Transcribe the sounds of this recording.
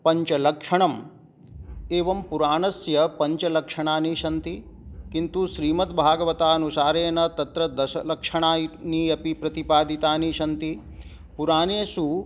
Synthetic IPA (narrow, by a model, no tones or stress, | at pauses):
pɐɲt͡ʃɐlɐkʂɐɳɐm | eːʋɐmpuɾaːnɐsjɐpɐɲt͡ʃɐlɐkʂɐɳaːniʃɐnt̪i | kint̪uʃɾiːmɐt̪bʱaːɡɐʋɐt̪aːɐnusaːɾeːnɐt̪ɐt̪ɾɐd̪ɐʃɐlɐkʂɐɳaːniːɐpipɾɐt̪ipaːd̪ʱit̪aːniʃɐnt̪i | puɾaːneːsu